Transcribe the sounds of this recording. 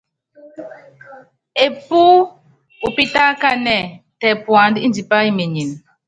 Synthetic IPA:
e˨puː˦ | u˨pi˦ta˦ka˦nɛ˦˨tɛ˨pwa˨ndi˦n˨di˨pa˦i˦me˨ɲi˨n

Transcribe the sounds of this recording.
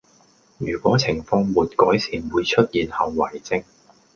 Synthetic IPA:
jyː˨˩kʷɔː˨˥t͡sʰɪ˨˩ŋfɔː˧ŋmuː˨t̚kɔː˨˥jsiː˨˩nwuː˨˧jt͡ʃʰɵ˥t̚jiː˨nhɐ˨˩wːɐ˨˩jt͡sɪ˧˥ŋ

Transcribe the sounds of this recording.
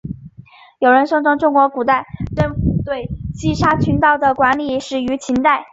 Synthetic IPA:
jo˨˩ʊɻə˧˥nʂɤ˥ŋʈ͡ʂʰɤ˧˥ŋʈ͡ʂʊ˥ŋkwɔ˧˥ku˨˩t̪a˥˧ɪʈ͡ʂə˥nft̪we˥˩ɪt͡ɕi˥˩ʂa˥t͡ɕʰy˧˥nt̪ɑ˥˩ʊd̪ə˩kwa˧˥nli˨˩ʂɻ̩˨˩y˧˥t͡ɕʰi˧˥nt̪a˥˩ɪ

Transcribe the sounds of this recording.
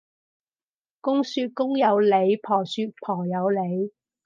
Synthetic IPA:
kʊ˥ŋsyː˧t̚kʊ˥ŋjɐ˨˧wle˨˧jpʰɔː˨˩syː˧t̚pʰɔː˨˩jɐ˨˧wle˨˧j

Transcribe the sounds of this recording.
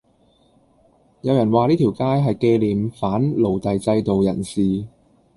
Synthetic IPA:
jɐ˨˧wjɐ˨˩nwaː˨˧liː˥t̪ʰi˨˩wkaː˥jɦɐ˨jke˧liː˨mfaː˨˥nlo˨˩wt̪ɐ˨jt͡sɐ˧jt̪o˨wjɐ̰˨˩nsiː˨˩

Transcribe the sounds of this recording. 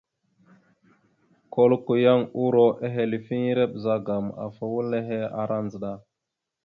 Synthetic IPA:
ko˦lku˨ja˦ŋu˦ɾo˦ʔe˦ɦe˨li˨fi˦ŋi˦ɾe˦ɓza˦ɡa˨ma̰˨fa˨wu˦lːe˦ɦe˦a̰˨ɾʔa˦nzə˨ɗa˦˨

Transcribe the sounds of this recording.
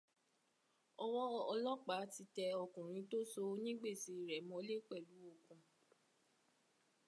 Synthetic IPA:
ɔ˧wɔ˦ɔ˧lɔ˦k͡pa˨˦ti˧tɛ˧ɔ˧kũ˨ɾ̃ĩ˨˧˦to˦so˧˦nĩ˦ɡ͡be˦˨ti˨˦˨ɾɛ˨mɔ̃˧˦le˦k͡pɛ˦˨lu˨˦o˦˨kũ˧

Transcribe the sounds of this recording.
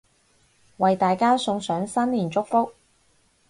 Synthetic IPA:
wɐ˨jt̪aː˨jkaː˥sʊ˧ŋsœː˨˥ŋsɐ˥nliː˨˩nt͡ʃʊ˥k̚fʊ˥k̚

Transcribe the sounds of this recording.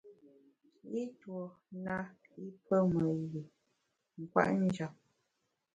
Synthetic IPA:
i˦twɔ˨ | na˦ | i˦pʰə˦mə˨ɣi˨ | ŋ̩˨kwa̰˦ʔn˦d͡ʒa˨p̚

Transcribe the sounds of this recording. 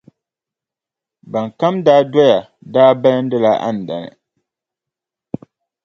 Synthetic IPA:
ba˨ŋ˨ka˦mdaː˦dɔ˦ja˨ | daː˦bɛ˦ln̩˦dɨ˦la˦ʔa̰˦n̩˨da̰˨nɨ̰˨

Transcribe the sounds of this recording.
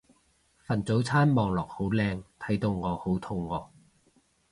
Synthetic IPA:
fɐ˨˩nt͡so˨˥wt͡sʰaː˥nmɔː˨ŋlɔː˨˩k̚ho˨˥wlɛː˧ŋt̪ʰɐ˨˥jt̪o˧wŋɔː˨˧ho˨˥wt̪ʰʊ˧ŋːɔː˨˧

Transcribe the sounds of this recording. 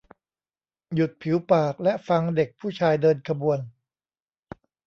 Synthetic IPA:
ju˨˩t̪̚pʰi˩˦wpaː˨˩k̚lɛ˦˥ʔfa˧ŋde˨˩k̚pʰuː˥˩t͡ɕʰaː˧jdɤː˧nkʰa˧bu˧ən

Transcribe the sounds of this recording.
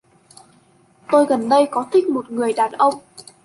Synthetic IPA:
t̪o˧jɣə˨˩nɗə˧jkɔ˨˦t̪ʰï˦˥k̟̚mo˨˩t̚ŋɨ˨˩əjɗaː˨˩nʔə˧wŋ͡m

